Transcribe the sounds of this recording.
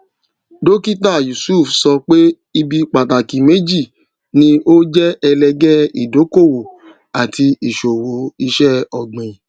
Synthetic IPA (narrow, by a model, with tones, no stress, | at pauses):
do˦ki˦ta˦˨ju˨su˦˨fsɔ˧k͡pe˦ | i˧bi˧k͡pa˨ta˨ki˨me˨˦d͡ʒi˦˨ | nĩ˧o˦d͡ʒɛ˦ɛ˧lɛ˧ɡɛ˦i˨do˨˦ko˦˨wo˨ | a˨ti˧i˨ʃo˨wo˨˦i˧ʃɛ˦ɔ˨ɡ͡bɛ̃˨ĩ˨